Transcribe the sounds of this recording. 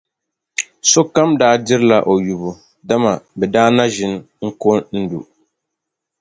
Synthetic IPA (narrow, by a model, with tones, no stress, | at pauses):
so˦ka˦mdaː˦dɪ˦ɾla˨ʔo˨ju˨bʊ˨ | da˦ma˨bɛ˨daː˦na˦ʒɪ˨n˦ | ŋ̩˦ko˦nn̩˦du˨